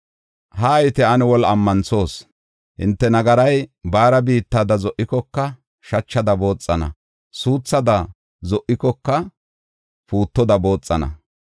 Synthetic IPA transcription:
hɐːjɪt̪ɛɐnɛwɔlɐmːɐnso̞ːs | hɪ̰nt̪ːɛnɐɡɐɾɐjbaːɾɐbiːt̪ːaːd̪ɐzɔʔːɪkɔkːɐ | ʃɐt͡ʃːɐd̪ɐbo̞ːt͡sʼːɐnɐ̰ | suːt͡sːɐd̪ɐ | zɔʔɪkɔkːɐ | puːt̪ːɔd̪ɐbo̞ːt͡sʼːɐnɐ̰

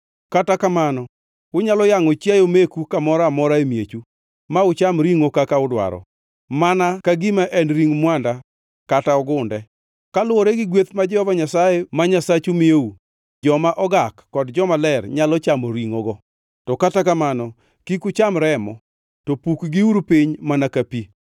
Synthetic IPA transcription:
katakamanɔ | kʊɲalɔjaŋɔt͡ʃajomekukamɔɾamɔɾaemjet͡ʃu | maʊt͡ʃamɾiŋokakaʊdwa̰ɾɔ̰ | manakaɡimaʔɛnɾiŋmwanda | kataɔɡʊndɛ | kalʊwɔɾeɡɪɡwet̪mad͡ʒɛhɔvaɲasajemaɲasat͡ʃumɪou | d͡ʒɔmaʔɔɡakːɔdd͡ʒɔmalɛrɲalɔt͡ʃamoɾiŋoɡɔ | tɔkatakamanɔ | kikʊt͡ʃamɾɛmɔ̰ | tɔpukɡɪuɾpɪɲmanakapi

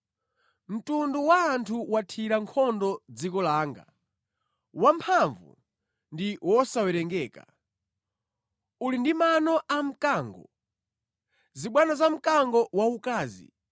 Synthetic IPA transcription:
m̩tunduwaːntʰuwatʰiɾaŋkʰɔndɔd͡zikɔlaːŋɡa̰ | wampʰaɱvṵ | ndiwɔsawɛɾɛŋɡɛːka̰ | ulindimanɔʔam̩kaːŋɡɔ | ziɓwanazam̩kaŋɡɔwaukaːzḭ

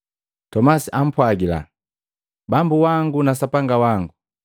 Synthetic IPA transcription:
tɔmasiʔam̩pwaɡila̰ | bambuwaŋɡunasapaŋɡawaŋɡu

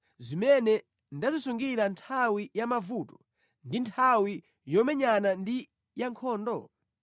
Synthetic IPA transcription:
zimɛnɛ | ndazisuŋɡiɾantʰawijamavutɔ̥ | ndintʰawi | jɔmɛɲanandi | jaŋkʰɔːndɔ

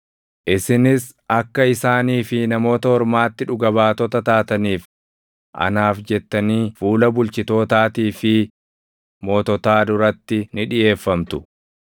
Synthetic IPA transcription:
ʔɪsɪnɪs | ɐkːɐɪsaːniːfɪnɐmo̞ːt̪ɐhɔɾmaːt̪ːɪᶑʊɡɐβaːt̪ɔt̪ɐt̪aːt̪ɐniːf | ʔɐ̰naːfd͡ʒɛt̪ːɐniːfuːlɐbʊlt͡ʃɪt̪o̞ːt̪aːt̪iːfɪ | moːt̪ɔt̪aːd̪ʊɾɐt̪ːɪnɪᶑɪjʔe̞ːfːɐmt̪ʊ̥

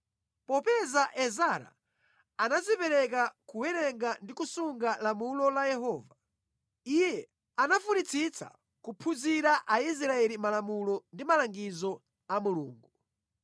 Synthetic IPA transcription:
pɔpɛzaʔɛzaɾa̰ | anazipɛɾɛkakuwɛɾɛŋɡandikusuŋɡalamulɔlajɛɦɔːva | ijɛ | anafunit͡sʰit͡sa̰ | kupʰuziɾaʔais̬ɾaɛlimalamulɔndimalaŋɡizɔ | amulṵːŋɡu

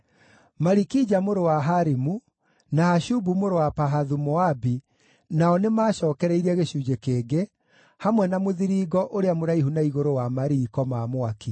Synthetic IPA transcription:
maɾikid͡ʒamoɾowaɦaɾimu | nahaʃubumoɾowapaɦaðumɔabi | naɔnemaːʃɔːkɛɾɛiɾɛɣeʃud͡ʒekeːɡe | hamwɛnamoðiɾiɣɔʔoɾeamoɾaiɦunaiɣoɾowamaɾiːkɔmamoaki

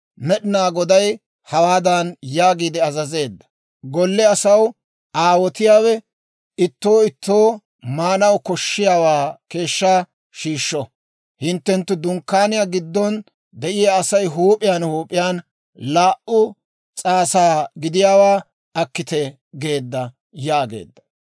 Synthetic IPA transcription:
mɛɗɪnaːɡɔd̪ɐj | hɐwaːd̪ɐnjaːɡiːd̪ɛɐzɐze̞ːd̪ːɐ̥ | ɡɔlːɛɐsɐw | ʔaːwɔt̪ɪjaːwɛ | ɪt̪ːo̞ːɪt̪ːo̞ː | maːnɐwkɔʃːɪjaːwaːke̞ːʃːaː | ʃiːʃːɔ | hɪnt̪ːɛnt̪ːʊd̪ʊŋkːaːnɪjaɡɪd̪ːɔn | d̪ɛʔɪjaːsɐjɦuːpʼɪjanhuːpʼɪjaːn | laːʔʊ | t͡sʼaːsaːɡɪd̪ɪjaːwaː | ɐkːɪt̪ɛ | ɡe̞ːd̪ːɐ | jaːɡḛːd̪ːɐ̥

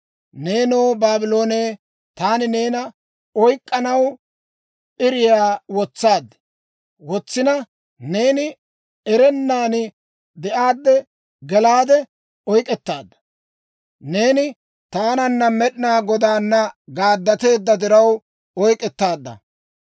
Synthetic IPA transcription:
ne̞ːnoːbaːbɪlo̞ːneː | t̪aːnɪne̞ːnɐ | ɔjkʼːɐnɐw | ʔɪɾɪjaːwɔt͡sːaːd̪ɛ | wɔt͡sːɪnɐ | ne̞ːnɪ | ɛɾɛnːaːnɪ | d̪ɛʔaːd̪ːɛ | ɡɛlaːd̪ɛ | ɔjkʼɛt̪ːaːd̪ːɐ̥ | ne̞ːnɪ | t̪aːnɐnːɐmɛɗɪnaːɡɔd̪aːnːɐɡaːd̪ːɐt̪e̞ːd̪ːɐd̪ɪɾɐw | ɔjkʼɛt̪ːaːd̪ːɐ̰

